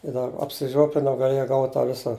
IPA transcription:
ɪ dɐr ɐpʲsʲɪˈʒʲuɔpʲlʲɪnɐʊ ɡɐˈlʲeːjɛ ˈɡɐʊtʲ tɑː ˈʋʲɪsɐ

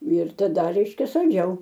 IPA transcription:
ɪr tɐˈdɐ ˈrʲɛɪʃʲkʲɛ sɐlʲˈd͡ʒʲɛʊ

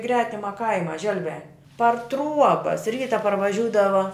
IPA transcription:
ˈɡrʲæːtʲɪmɐ ˈkɐɪmɐ ˈʒʲɛlʲʋʲæː pɐr ˈtruɔbɐs ˈrʲiːtɐ pɐrʋɐˈʒʲuːdɐʋɐ

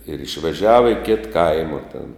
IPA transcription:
ɪr ɪʃʲʋʲɛˈʒʲæːʋɐ ɪ kʲɪt ˈkɐɪmɐ tʲeːn

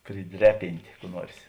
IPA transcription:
pʲrʲɪˈdʲrʲɛ pʲɪnʲtʲeː kuː ˈnuɔrs

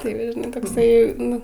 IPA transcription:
ˈtɐɪ ʋɐ ʒʲɪˈnɐɪ toːkˈsɐɪ ˈnʊ

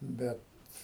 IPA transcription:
ˈbʲɛt

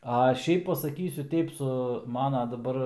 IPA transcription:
ɐ ˈʃʲɛɪp pɐsɐˈkʲiːsʲʊ ˈtʲɛɪp sʊ ˈmɑːnoː dɐˈbɐr

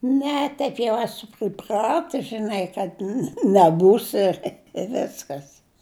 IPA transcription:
ˈnʲɛ ˈtʲɛɪp jɛʊ ˈæːsʊ pʲrʲɪˈprɑːtʊs ʒʲɪˈnɐɪ kɐt nʲɛ nʲɛˈbuːsʲɪ ɪ ˈʋʲæːskɐs

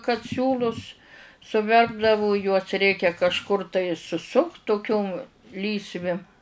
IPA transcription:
kɐt ˈsʲuːlˠʊs sʊˈʋʲɛrbdɐʋʊ juɔs ˈrʲɛɪkʲɛ kɐʃˈkʊr tɐɪ sʊˈsʊkt tʊˈkʲʊm ˈlʲiːsʲʋʲɪ

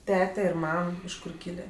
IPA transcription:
ˈtʲæːtʲɛ ɪr ˈmɐm ɪʃ ˈkʊr ˈkʲiːlʲeː

